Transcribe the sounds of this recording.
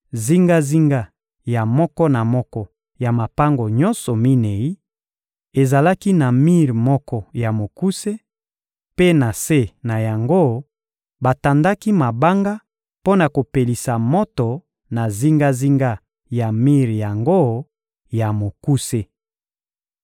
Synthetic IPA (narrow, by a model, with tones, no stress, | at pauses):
zi˦ŋɡa˦zi˦ŋɡa˦ | ja˨mɔ˦kɔ˦na˨mɔ˦kɔ˦ | ja˨ma˨pa˦ŋɡo˨ɲɔ˦nsɔ˨mi˦ne˨i˦ | e˨za˨la˦ki˦na˨mi˦ʁmɔ˦kɔ˦ja˨mo˨ku˦se˦ | pe˦na˨se˦na˨ja˨ŋɡo˦ | ba˨ta˨nda˦ki˦ma˨ba˦ŋɡa˦ | po˦na˨ko˨pe˨li˨sa˨mɔ˦tɔ˨ | na˨zi˦ŋɡa˦zi˦ŋɡa˦ | ja˨mi˦ʁja˨ŋɡo˦ | ja˨mo˨ku˦se˦